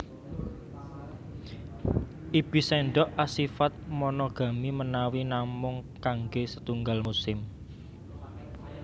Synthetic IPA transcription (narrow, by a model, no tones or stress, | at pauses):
ʔib̥i̤sɛɳɖɔʔʔasifat̪̚mɔnɔɡ̥a̤mimənawinamʊŋkaŋɡesət̪uŋɡalmusɪm